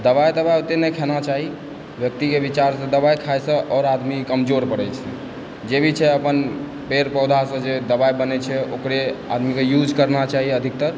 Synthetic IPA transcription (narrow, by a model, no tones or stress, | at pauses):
d̪əβajt̪əbajot̪enəjkʰenat͡ʃaɦi | bjək̚t̪ikebit͡ʃaɾsə̃d̪əbajkʰajsə̃ʔɔɾad̪mikəmd͡ʒoɾpəɾɛt͡ʃʰɛ̰ | d͡ʒebʱit͡ʃʰɛəpən | peɾpɔd̪ʱasə̃d͡ʒed̪əbajbənɛt͡ʃʰɛokɾea̰d̪mikejud͡ʒkəɾnat͡ʃaɦiəd̪ʱik̚t̪əɾ